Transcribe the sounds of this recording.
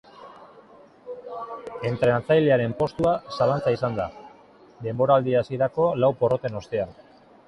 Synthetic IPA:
e̞nt̪ɾe̞nat͡sajle̞aɾe̞mpo̞st̪uasalant͡saisand̪a | d̪e̞mbo̞ɾaːld̪iasiɾako̞lawpo̞ro̞t̪e̞no̞st̪e̞an

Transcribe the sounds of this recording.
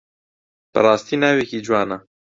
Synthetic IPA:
pɨ̰ɾˤɑːst̪iːnaːwekid͡ʒuwɑːna

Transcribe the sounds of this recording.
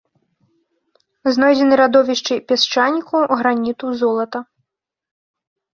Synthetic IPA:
znɔjd͡zʲɛnɨɾad̪ɔvʲiʂt͡ʂɨpʲɛst͡ʂanʲikuɣɾanʲit̪uzɔlˠɐt̪ɐ

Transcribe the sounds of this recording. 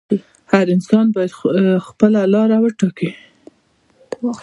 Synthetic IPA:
haɾɪnsɑnbɑjad̪xpəlalɑɾawəʈɑki

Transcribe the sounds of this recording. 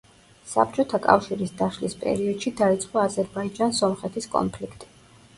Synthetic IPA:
sa̰p̚t͡ʃʼɔt̪ʰakʼa̰fʃiɾisd̪aʃlispʼɛ̰ɾiɔd̪̥ʃid̪ait̪sʼqʼɔazɛɾbaid͡ʒansɔmχɛt̪ʰiskʼɔ̰npʰlikʰt̪ʼi̥

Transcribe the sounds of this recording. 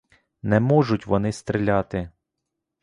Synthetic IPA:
nɛmɔʒʊtʲʋɔnɪst̪ɾɪlʲɑt̪ɪ

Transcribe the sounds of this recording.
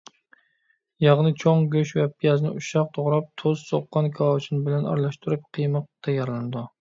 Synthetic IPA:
jɑʁnɨt͡ʃʰoŋɡʲøʃvɛpʰijɛznɪ̰uʃɑq̚t̪ʰoʁɾɑp̚t̪ʰozsoqːɑnkʰɑt͡ʃʰinbɪlɛnɑ̰ɾlˠɑʃt̪uɾɨp̚qʰəjmɨq̚t̪ʰɛjɑɾlˠɨnɨd̪u

